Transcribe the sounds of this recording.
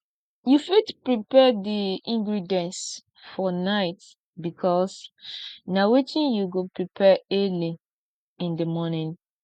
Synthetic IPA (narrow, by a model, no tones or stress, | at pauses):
jufitpɹipɛdiĩŋɡɹidiɛ̃ns | fɔnaɪt | bikʰɔs | nawetĩnjuɡopɹipʰɛɛli | ĩndəmɔnĩn